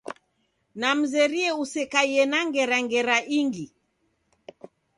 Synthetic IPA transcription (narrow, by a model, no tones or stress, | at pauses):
nam̩zɛɾiɛusɛkaiɛnaŋɡɛɾaŋɡɛɾaʔiŋɡi